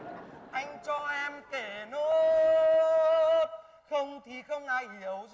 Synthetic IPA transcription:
ʔa˧jŋ̟t͡ɕɔ˧ʔɛ˧mke˧˩no˧˦ | xə˧wŋ͡mt̪ʰi˨˩xə˧wŋ͡mʔaː˧jhi˨˦əwz

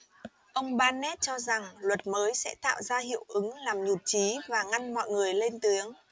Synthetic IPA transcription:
ʔə˧wŋ͡mɓaː˧nɛ˦˥t̚t͡ɕɔ˧za˨˩ŋlwə˨˩t̚məː˨˦jsɛ̰˧˥t̪a̰ː˧˨wzaː˧ɦḭ˧˨əwʔɨ˨˦ŋlaː˨˩mɲu˨˩t̚t͡ɕi˨˦vaː˨˩ŋa˧nmɔ̰˧˨jŋɨ˨˩əjle˧nt̪ɨ˨˦əŋ

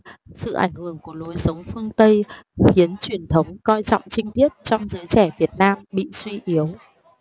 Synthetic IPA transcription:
sɨ̰˧˨ʔa̰˧˩jŋ̟hɨ˧˩əŋku˧˩əlo˨˦jsə˨˦wŋ͡mfɨ˧əŋt̪ə˧jxi˨˦ənt͡ɕwi˨˩ənt̪ʰə˨˦wŋ͡mkɔ˧jt͡ɕɔ̰˧˨wŋ͡mt͡ɕï˧ŋ̟t̪i˦˥ət̚t͡ɕɔ˧wŋ͡mzəː˨˦jt͡ɕɛ˧˩vi˨˩ət̚naː˧mɓḭ˧˨swi˧ʔi˨˦əw

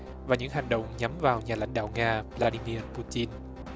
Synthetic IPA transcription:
vaː˨˩ɲɨ̰˧˥ŋɦa˨˩jŋ̟ɗə̰˧˨wŋ͡mɲa˨˦mvaː˨˩wɲaː˨˩la̰˧˥jŋ̟ɗa̰ː˧˨wŋaː˧vlaː˧ɗi˧mi˧ərpu˧t͡ɕi˧n

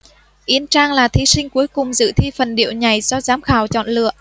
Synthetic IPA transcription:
ʔi˨˦ənt͡ɕaː˧ŋlaː˨˩t̪ʰi˨˦sï˧ŋ̟ku˨˦əjkʊ˨˩ŋ͡mzɨ̰˧˨t̪ʰi˧fə˨˩nɗḭ˧˨əwɲa˨˩jzɔ˧zaː˨˦mxaː˨˩wt͡ɕɔ̰˧˨nlɨ̰˧˨əʔ

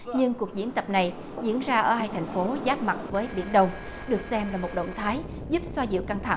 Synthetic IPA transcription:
ɲɨ˧ŋku˨˩ək̚zi˧˥ənt̪ə˨˩p̚na˨˩j | zḭ˧˥ənzaː˧ʔəː˧˩haː˧jt̪ʰa˨˩jŋ̟fo˨˦zaː˦˥p̚ma˨˩t̚vəː˨˦jɓḭ˧ənɗə˧wŋ͡m | ɗɨ˨˩ək̚sɛ˧mlaː˨˩mo˨˩t̚ɗə̰˧˨wŋ͡mt̪ʰaː˨˦j | zu˦˥p̚swaː˧zḭ˧˨əwka˧ŋt̪ʰa̰˧˩ŋ

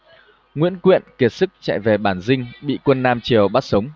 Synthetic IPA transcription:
ŋwḭ˧˥ənkwḭ˧˨ənki˨˩ət̚sɨ˦˥k̚t͡ɕa̰ː˧˨jve˨˩ɓaː˧˩nzï˧ŋ̟ɓḭ˧˨kwə˧nːaː˧mt͡ɕi˨˩əwɓaː˦˥t̚sə˨˦wŋ͡m

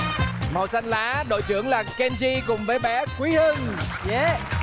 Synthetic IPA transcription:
mə˨˩sa˧jŋ̟laː˨˦ɗo̰˧˨jt͡ɕɨ̰˧˩əŋlaː˨˩kɛ˧nt͡ɕi˧kʊ˨˩ŋ͡mvəː˨˦jɓɛ˨˦kwi˨˦hɨ˧ŋze˨˦

